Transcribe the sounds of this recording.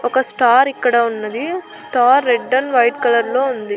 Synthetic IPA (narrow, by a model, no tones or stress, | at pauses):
ɔkɐsʈaːɾikːɐɽɐunːɐd̪isʈaːɾːeɖːɐnʋɐjʈkɐlɐɾloːund̪i